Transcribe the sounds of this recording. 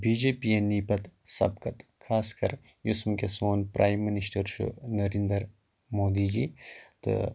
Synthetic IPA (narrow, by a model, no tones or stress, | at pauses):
biːd͡ʒeːpieniːpɐt̪sɐ̰bkɐt̪kʰaːskɐɾ | jʊsmkesoːnpɾʔaːjmːinisʈɐɾʃṵnɐɾind̪əɾ | moːd̪iːd͡ʒiːt̪ɨ̰